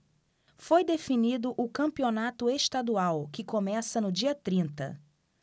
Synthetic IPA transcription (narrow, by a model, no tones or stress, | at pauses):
fojd̪efinid̪ʊʔʊkɐ̃mpionat̪ʊeʃt̪ad̪uawkɪkomɛsɐnʊd͡ʒiɐt̪ɾĩnt̪ɐ̰